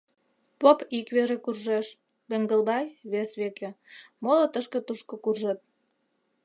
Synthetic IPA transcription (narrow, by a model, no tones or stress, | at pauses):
popikβeɾekurʒeʃ | beŋɡə̆lbɑjβesβekemolot̪əʃkĕt̪uʃkŏkurʒet̪̚